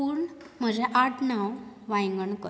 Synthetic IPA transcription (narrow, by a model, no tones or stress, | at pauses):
uɳ | m̤əd͡ʑɛʔaʈnawʋãjŋɡəɳkə